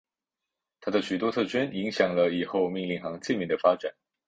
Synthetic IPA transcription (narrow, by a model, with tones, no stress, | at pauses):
t̪ʰa˥d̪ə˨ɕy˨˩t̪wɔ˥t̪ʰɤ˥˩t͡ɕʰɛ˥ni˧˥ŋɕjɑ˨˩ŋlə˦i˨˩xo˥˧ʊmi˥˧ŋli˥˩ŋxɑ˧˥ŋt͡ɕi˥˧nmi˧˥ŋd̪ə˩fa˥ʈ͡ʂa˨˩˦n